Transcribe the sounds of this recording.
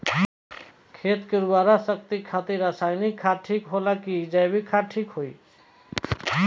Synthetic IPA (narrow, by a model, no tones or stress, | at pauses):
kʰeːt̪keɾuaɾasək̚t̪ikʰat̪iɾasajnikʰːaʈʰiːkɦolakid͡ʒajbʱikʰːaʈʰikɦoi